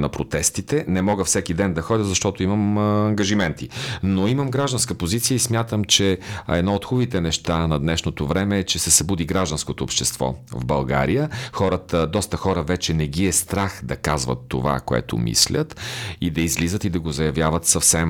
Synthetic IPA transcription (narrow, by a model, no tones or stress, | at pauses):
nɐpɾot̪ɛst̪it̪ɛnɛmɔɡəfsɛkid̪ɛnd̪ɐxɔd̪ʲəzɐʃt̪ɔt̪oiməmɐŋɡɐʒimɛnt̪inoiməmɡɾaʒd̪ɐnskəpozit̪sijəismʲjat̪əmt͡ʃɛɛ̰d̪nɔot̪xuvit̪ɛnɛʃt̪anɐd̪nɛʃnot̪ovɾɛmɛːt͡ʃɛsɛsɐbud̪iɡɾaʒd̪ɐnskot̪oopʃt̪ɛst̪vɔ̰vbɐlˠɡa̰ɾijəxɔɾət̪əd̪ɔst̪əxɔɾəvɛt͡ʃɛnɛɡiɛst̪ɾaxd̪ɐkazvə̰t̪ːo̰va̰ko̰ɛ̰t̪o̰mḭslʲʔə̰t̪id̪ɐizlizət̪id̪ɐɡozɐjɐvjavət̪sɐfsɛm